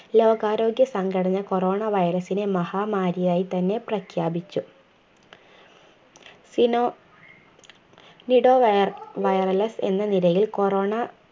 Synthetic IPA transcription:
lo̞ːɡaːɾo̞ːɡjɐsɐŋɡɐɽɐɲːɐko̞ro̞ːɳɐʋɐjɐɾɐsine̞mɐhaːmaːɾjɐjaːjit̪ɐnːe̞prɐkʰjaːbit͡ɕːu | sino | niɽo̞ːʋɐjɐrɐlɐse̞̰nːɐnilɐjilko̞roːɳɐ

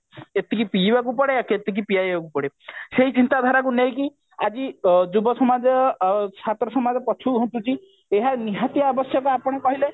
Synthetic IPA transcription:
et̪ikipiibakupɔɽeaket̪ikʰipijajbakupɔɽeseɦit͡ʃint̪ad̪ʱaɾak̬unejki | ad͡ʒid͡ʒubɔsɔmad͡ʒɔsat̪ɾɔsɔmad͡ʒɔpɔt͡ʃʰuɦont̪ut͡ʃi | eɦaniɦat̪iaːbɔsjɔkɔapɔɽ̃ekɔɦile

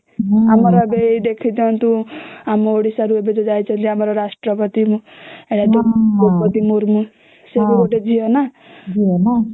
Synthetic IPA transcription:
amɔɾɔbejd̪ekʰid̪iɔnt̪ũamɔoɽisaɾuebed͡ʒɔd͡ʒajt͡ʃʰɔnt̪iamɔɾɔɾasʈɾɔpɔt̪imũeʈat̪uopɔt̪imuɾmu | sebuɡoʈed͡ʒʱiɔna | d͡ʒiɔna

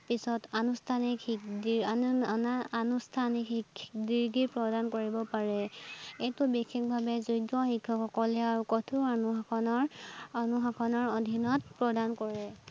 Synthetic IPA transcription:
pisɔtanustʰanikikdiaaanustʰanikhikdiɹɡipɹɔdankoɹibɔpaɹɛejtʊbixʰikbʱabɛzujdɔxikʰːɔxɔkɔlɛaɹukɔtʰuanuɦakʰɔnɔɹɔnuɦakʰɔnɔɹodʱinɔt̚pɹɔdankɔɹɛ

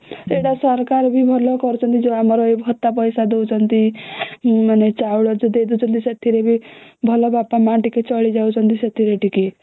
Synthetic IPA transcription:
eɽasɔɾkaɾbʱibʱɔlɔkɔɾut͡ʃʰʌnt̪id͡ʒoamɔɾɔeɦɔt̪ːapɔjsad̪ewt͡ʃʰɔnt̪i | manet͡ʃauɽɔd͡ʒed̪ed̪ut͡ʃʰʌnt̪iset̪ʰiɾebʱibʱɔlɔbapamaʈiket͡ʃɔɭid͡ʒawt͡ʃʰʌnt̪iset̪ʰiɾeʈiki

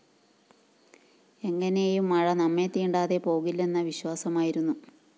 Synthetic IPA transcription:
e̞ŋːɐne̞jumːɐɻɐnɐmːe̞t̪iːɳɖaːðe̞po̞ːɣilːe̞nːɐʋiɕwaːsɐmaːjiɾunːu

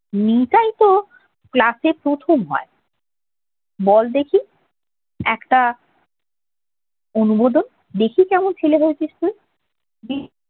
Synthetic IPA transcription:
nikajt̪o | klasepɾot̪ʰomɦɔe | bɔld̪ekʰi | ɛkʈa | onubod̪on | d̪ekʰikɛmont͡ɕʰeleɦoet͡ɕeʃt̪ui | bi

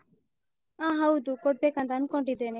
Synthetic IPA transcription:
ãːɦɐwd̪ukoʈ̚beːkãnd̪aːnkoɳɖid̪ene

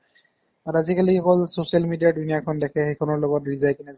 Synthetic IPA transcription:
atazikalixɔkɔlsosialmidijadunijakʰɔndɛkʰɛxejkʰɔnɔɹlɔɡɔtɹizajkinɛz

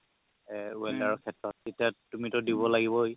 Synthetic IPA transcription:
ɛuɛldaɹɔkʰɛtɹɔt̚ːetiatumitʊdibɔlaɡibɔj

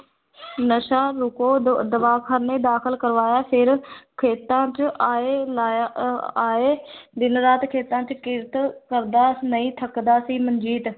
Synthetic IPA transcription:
nəʃaːɾʊkoːd̪əʋaːkʰəɾnẽːd̪aːkʰəlkəɾʋaːjaːpʰɪɾkʰeːt̪ãːt͡ʃːeːla | aːeːd̪ɪnɾaːt̪kʰeːt̪ãːt͡ʃkɪɾt̪kəɾd̪aːnəĩːt̪ʰəkd̪aːsiːmənd͡ʒiːt̪

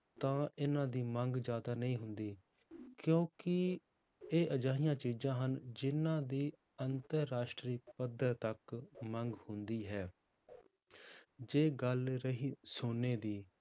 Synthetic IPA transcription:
t̪ãːɪnãːd̪iːməŋɡd͡ʒjaːd̪aːnəĩːɦʊnd̪iː | kjõːkɪ | eːʔəd͡ʒaːɦijãːt͡ʃiːd͡ʒãːɦənd͡ʒɪnãːd̪iː | ənt̪əɾːaːʃʈɾiːpəd̪əɾt̪əkməŋɡhʊnd̪iːɦɛː | d͡ʒeːɡəlɾəɦiːsʊnːeːd̪iː

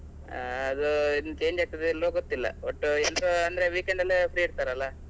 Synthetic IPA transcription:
ɐd̪uinut͡ʃe̞ːɲd͡ʒaːk̚t̪id̪eɛlːoɡot̪ːilːɐ̰ʋoʈːuɛlːɾoɐnd̪ɐɾeʋiːkeɳɖɐlːepʰɾiːiɽt̪aːɾɐlːa

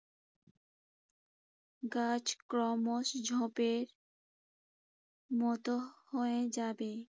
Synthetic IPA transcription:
ɡad͡ʑkɾɔmoʃd͡ʑʱɔ̃peɾ | mɔt̪ohoed͡ʑabe

